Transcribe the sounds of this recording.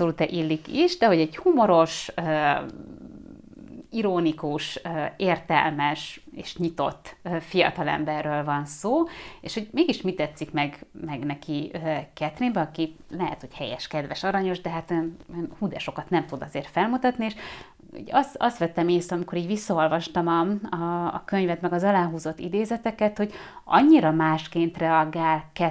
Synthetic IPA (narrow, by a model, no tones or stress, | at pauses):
solut̪ɛʔilːikiʃd̪ɛɦo̞ɟɛɟhumo̞ɾo̞ʃøː | iɾoːnikuʃøeːrt̪ɛ̰lmɛʃḛːʃɲit̪o̰t̪ːfijɒ̰t̪ɒlɛ̰mbɛrːøːlvɒnsoːḛːʃho̞ɟmeːɡiʃmit̪ːɛt̪sːikmɛɡmɛɡnɛkʰiøkɛt̪rimbɛɒkilɛɦɛ̰t̪ho̞chɛjɛ̰ʃkɛd̪vɛʃɒɾɒɲo̞ʒd̪ɛɦat̪ønønhud̪ɛʃo̞kɒt̪nɛmt̪ud̪ɒzeːrt̪fɛlmut̪ɒt̪nieːʃ | o̰ɟɒsɒst̪ʋɛt̪ːɛmeːst̪ɒmiko̞ɾiːɟʋisːɒo̞lvɒʃt̪ɒmɒɒ̰ːkø̞ɲvɛt̪mɛɡɒzɒlaːɦuːzo̞t̪ːḭd̪eːzɛt̪ɛkɛt̪ho̞ɟɒ̰ɲːiɾɒmaːʃkeːnt̪rɛɒɡaːlkɛ